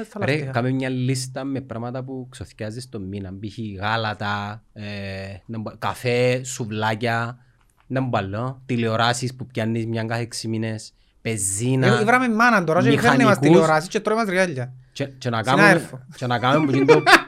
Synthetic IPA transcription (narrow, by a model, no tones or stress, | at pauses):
ɐɾekamemɲɐlːist̪ɐmepɾɐmɐt̪ɐp̬uksoθcɐzist̪omːinɐmbiçiɣalɐt̪ɐenebkafesuvlacɐ | nembalːot̪ilioɾasispupcɐnːismɲaŋɡaθeksimines | pezːinɐivɾɐmemːɐnɐnd̪oɾasmixanːimask̪iulsoɾas̬ist͡ʃːet̪ːɾoimɐzɾiɣaʎːɐt͡ʃet͡ʃenakameɾfot͡ʃenakamembucido